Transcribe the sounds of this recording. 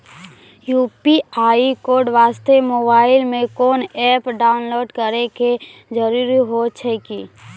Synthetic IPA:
juːpiaːikoːɾɖʋaːst̪emoːbaːɪlmẽkoːnɛːpɖaːʊnloːɖkəɾeke | d͡ʒəɾuːɾiɦot͡ʃʰɛki

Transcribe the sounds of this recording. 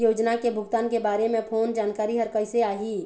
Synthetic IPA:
joːd͡ʒnakebʱʊɡt̪aːnkebaːɾemẽpʰoːnd͡ʒaːnkaːɾiɦəɾkəɪseaːɦi

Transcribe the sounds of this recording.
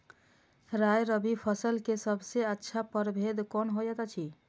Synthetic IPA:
ɾajɾəbipʰəsəlkesəbʱseətːʃʰapəɾbʱed̪kɔnɦojɛk̪ət͡ʃʰi

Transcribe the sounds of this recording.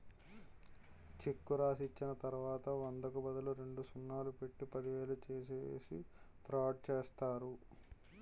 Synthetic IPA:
t͡ʃekːuɾaːsit͡ʃːinɐt̪ɐɾuʋaːt̪ɐʋɐnd̪ɐkubɐd̪ɐluɾe̞ɳɖusunːaːlupe̞ʈːipɐd̪iʋeːlɐt͡ʃeːs̬esḭt̪ɾaːʈ̚t͡ʃeːst̪aːɾu

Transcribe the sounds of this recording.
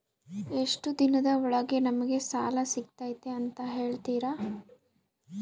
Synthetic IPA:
e̞ʂʈud̪inɐd̪ɐɔɭɐɡe̞nɐmɐɡe̞saːlɐsik̚t̪aːjt̪eɐnt̪ɐɦe̞ːɭt̪iːɾa

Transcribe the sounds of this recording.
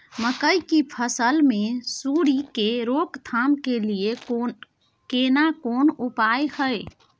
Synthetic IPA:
məkəjkipʰəsəlmesuɽikeɾokt̪ʰamkelije | kenakonupaehəj

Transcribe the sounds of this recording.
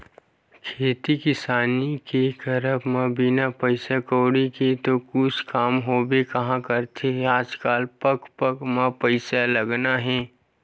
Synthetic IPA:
kʰeːt̪ikɪsaːnikekəɾəpmãbɪnapəɪsakoːɽiket̪okʊt͡ʃʰkaːmɦoːbekɐɦãkəɾt̪ʰeɦɛaːd͡ʒkaːlpəkpəkmãpəɪsaləɡnaɦɛ̃ː

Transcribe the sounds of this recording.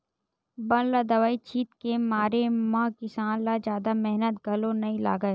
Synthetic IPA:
bɐnlad̪ɐʋaːit͡ʃʰiːt̪kemaːɾemãːkɪsaːnlad͡ʒjaːd̪amɛɦnət̪ɡʱɐlõnɐĩla̰ːɡəe

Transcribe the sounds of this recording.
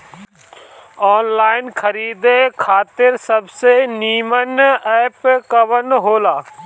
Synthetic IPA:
ɔːnlaːɪnkʰɐɾiːd̪ekʰaːt̪ɪɾsɐbseniːmənɛːpkɐʋənɦoːlaː

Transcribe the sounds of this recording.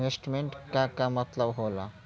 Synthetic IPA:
esʈmeɳʈkakamɐt̪ləbɦola̰

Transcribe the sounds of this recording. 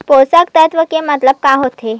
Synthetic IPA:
posək̚t̪əjt̪ʋəkemət̪ləb̚kaɦot̪ʰe

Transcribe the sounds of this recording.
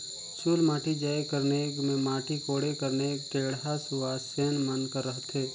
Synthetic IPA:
t͡ʃuːlmaːʈid͡ʒaːjkəɾnekmẽmaːʈikoːɽekəɾnekeːɽɦasʊaseːnmənkəɾːəɦt̪ʰeː

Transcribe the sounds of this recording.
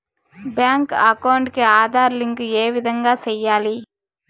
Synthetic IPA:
bjaːŋkɐkɐwɳɖkiaːd̪ʱaːɾliŋkeːʋid̪ʱɐŋɡaːt͡ʃɛjːaːli

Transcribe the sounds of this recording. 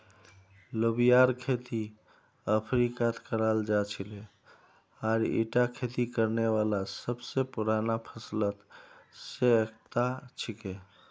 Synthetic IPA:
lobijaɾkʰet̪i | əpʰɾikat̪kəɾald͡ʒat͡ʃʰile | aɾḭʈakʰet̪ikəɾnewalasəbsepuɾanapʰəslət̪seək̚ʰt̪at͡ʃʰike

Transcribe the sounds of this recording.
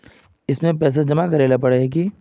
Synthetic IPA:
ɪsmẽpɛːs̬ad͡ʒɐmakɐɾeːlapɐɽeɦɛk̬i

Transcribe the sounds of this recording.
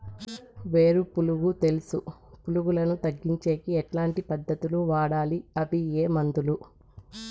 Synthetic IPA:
ʋeːɾupuluɡut̪e̞lusupuluɡulɐnut̪ɐɡːiɲt͡ʃe̞ːkiɛʈlaːɳʈipɐd̪ːɐt̪uluʋaːɽaːliɐpijeːmɐnd̪ulu

